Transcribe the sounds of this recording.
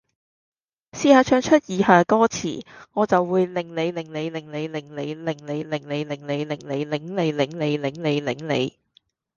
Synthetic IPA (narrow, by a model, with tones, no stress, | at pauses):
siː˧haː˨˧t͡ʃʰœː˧ŋt͡ʃʰɵ˥t̚jiː˨˧haː˨˧kɔː˥t͡sʰḭː˨˩ŋɔː˨˧t͡sɐ˨wːuː˨˧jlɪ˨˩ŋle˨˧jlɪ˨˩ŋle˨˧jlɪ˨˩ŋle˨˧jlɪ˨˩ŋle˨˧jlɪ˨˩ŋle˨˧jlɪ˨˩ŋle˨˧jlɪ˨˩ŋle˨˧jlɪ˨˩ŋle˨˧jlɪ˨˥ŋle˨˧jlɪ˨˥ŋle˨˧jlɪ˨˥ŋle˨˧jlɪ̰˨˥ŋlḛ˨˧j